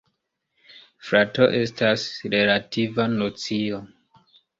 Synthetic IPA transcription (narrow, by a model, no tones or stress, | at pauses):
fɾato̞ʔe̞stasɾe̞lativanot͡sio